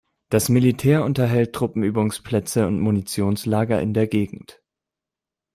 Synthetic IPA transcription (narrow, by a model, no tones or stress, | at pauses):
d̥asmilitʰɛːɐʊntɐɦɛlt̚tʁ̥ʊpm̩yːbʊŋspʰl̥ɛt͡səʊntmunit͡sjoːnslaːɡɐʔɪ̰ndeːɐɡeːɡŋ̩t